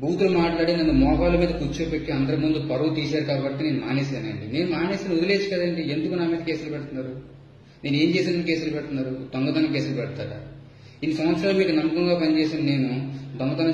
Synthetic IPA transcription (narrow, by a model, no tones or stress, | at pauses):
bʱuːt̪ulɐmaːʈlaːɽind̪ɐnd̪ɐmɔːkaːlɐmiːd̪ɐkut͡ʃːoːpeʈːiɐnd̪ɐɾɐmund̪upɐɾɐʋut̪iːsaːɾukaːkbɐʈ̪ːeːneːnuma̰ːneːsaːnɐ̰ɳɖine̞ːnumaːneːsinud̪ile̞ːt͡ʃu̥kɐd̪aɐɳɖiend̪ukunaːmiːd̪ɐkeːsulɐpɛɽt̪unːaːɾu | ne̞ːnue̞ːɲt͡ʃeːsinɐnke̞ːsulɐpɛɽut̪unːaːɾud̪oŋɡɐt̪ɐnɐkeːsulɐpɛɽt̪aːɾa̰ | inːisɐmʋɐt̪sɾaːlomiːkunɐmːɐkɐŋɡaːpɐɲt͡ʃeːsind̪ine̞ːnud̪oŋɡɐt̪ɐnɐ